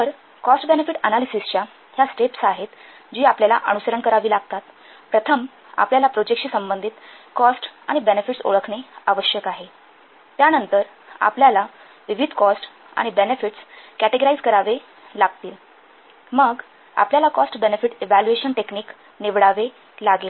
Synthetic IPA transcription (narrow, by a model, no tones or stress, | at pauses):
t̪əɾ | kɔsʈbenefiʈə̰nalisist͡ɕja | jasʈepsaɦet̪ | d͡ʑiːapljala̰ʔə̰nusəɾəɳkəɾaʋiːlaɡt̪at̪ | pɾət̪ʰəm | a̰pljalapɾod͡ʑek̚ɕiːsəmbənd̪ʱiːt̪kɔsʈa̰ɽ̃ibenefiʈso̰ɭəkʰɳeaʋəɕjəkaɦe | t̪janənt̪əɾ | a̰pljala | ʋiʋid̪ʱkɔsʈ | a̰ɽ̃ibenefiʈskæʈeɡoɾaid͡zkəɾaʋe | laɡ̚t̪iːl | məɡ | a̰pljalakɔsʈbenefiʈeʋælueɕənʈekniːk | neʋɽaʋe | laɡel